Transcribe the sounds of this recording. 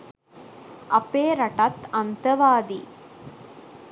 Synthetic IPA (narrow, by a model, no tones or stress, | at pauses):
ɐpeːɾɐʈɐt̪ɐnt̪ɐʋaːd̪i